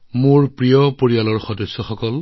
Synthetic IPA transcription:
mʊɹpɹijɔpoɹijalɔɹxɔdɔsːɔxɔkɔl

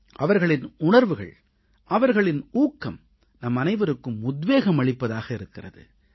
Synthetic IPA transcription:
ʔɐʋɐɾɣɐɭɪnʊɳɐɾʋɯɣɐ̰ɭ | ʔɐʋɐɾɣɐɭɪnuːkːɐm | nɐmːɐnɐɪʋɐɾɯkːɯmʊd̪ʋeːɣɐmɐɭɪpːɐðaːɣɐɪɾɯkːɪrɐ̰ðɯ̰

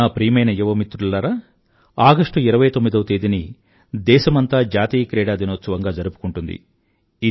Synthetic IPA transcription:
aːpɾiːmɐjnɐjuʋɐmit̪ɾulːɐɾɐ | aːɡɐʂʈuiɾɐʋɐjt̪omːid̪ɐwɐt̪eːd̪ini | d̪ɛːʃɐmɐnt̪aːd͡ʒaːt̪iːkɾɛːɽaːd̪inoːt̪sɐʋɐŋɡaːd͡ʒɐɾupu̥kuɳʈund̪ḭ | i

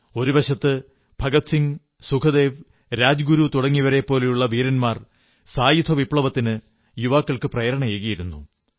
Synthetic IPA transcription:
o̞ɾubɐɕɐt̪ːɨ | bʱɐɡɐt̪siŋ | sukʰɐd̪e̞ːʋ | ɾaːd͡ʑɡuɾut̪uɽɐŋːiʋɐɾe̞pːo̞ːle̞juɭːɐʋiːɾɐnmaːr | saːjit̪ʰɐʋipɭɐʋɐt̪ːinɨ | juʋaːkːɐɭkɨprɐjɐɾɐɳɐjeːɣɐjiɾunːu

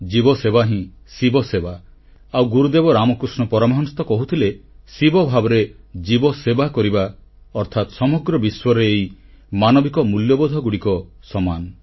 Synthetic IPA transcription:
d͡ʒibɔsebaɦĩ | sibɔseba | awɡuɾud̪ebɔɾamɔkɾusɳɔpɔɾɔmɔɦɔnɔst̪ɔkɔɦut̪ʰile | sibɔbʱabɔɾe | d͡ʒibɔsebakɔɾiba | ɔɾt̪ʰat̪sɔmɔɡɾɔbiswɔɾɔeːj | manɔbikɔmuljɔbɔd̪ʱɔɡuɽikɔ | sɔmanɔ

